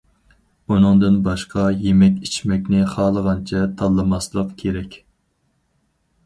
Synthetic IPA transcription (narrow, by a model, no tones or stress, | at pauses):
unɨŋd̪ɨnbɑʃqʰɑjemɛkʲit͡ʃʰmɛkʲnɪχɑːlˠəʁɑnt͡ʃʰɛt̪ʰɑlˠːɨmɑslˠəqkʲʰeɾɛkʲ